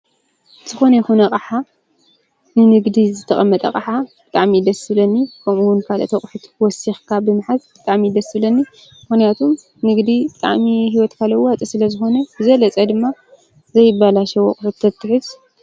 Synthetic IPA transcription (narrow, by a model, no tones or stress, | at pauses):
zɨxo̞nɐjɛxunɐqʼaħa | nɨnɨɡd̪izɨt̪ʰɐχʼɐmːɐt̪ʼɐ̰kʼaħab̥ɨt̪ʼaʕmid̪ɐsɨβlɐnːikʰɐmuwʊnkʰalʔɐ̰t̪ʰɐχʼħut̪wɔsixkʰabɨmɨħazb̥ɨt̪ʼaʕmid̪ɐsɨβlɐnːi | mɨxnijat̪ʰum | nɨɡd̪ibɨt̪ʼa̰ʕmiɦiwɔt̪kʰalɐwat͡sʼisɨlɐzɨxo̞nɐbɨzɐlɐt͡sʼɐd̪ɨmːa | zɐjɪbːalaʃɐwɐkʼħut̪ʰːɐt̪ʰːɨħɨz